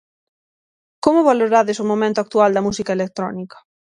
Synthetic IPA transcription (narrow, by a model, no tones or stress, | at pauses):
komoβaloɾaðesomõmẽnt̪oak̚t̪uald̪ɐmusikaelek̚t̪ɾɔ̰nikɐ̥